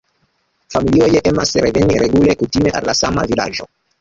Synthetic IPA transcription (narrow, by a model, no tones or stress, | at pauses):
familiojeʔe̞ma̰sɾe̞ve̞niɾʔe̞ɡule̞kutime̞ʔa̰lːasama̰vila̰d͡ʒo̞